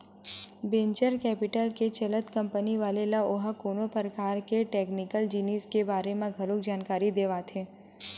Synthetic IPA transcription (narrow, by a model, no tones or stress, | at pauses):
bẽɲt͡ʃəɾkɛːpɪʈəlket͡ʃɐlət̪kə̃mpəniʋaːlelaoɦakoːnopəɾəkaːɾkeʈeːknɪkəld͡ʒiniːskebaːɾemãɡʱəɾʊkd͡ʒaːnkaːɾid̪eːʋat̪ʰeː